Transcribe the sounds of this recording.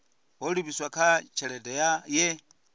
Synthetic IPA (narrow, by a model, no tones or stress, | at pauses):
ɦɔlupiswakʰat͡ʃʰɛɺɛdɛjajɛ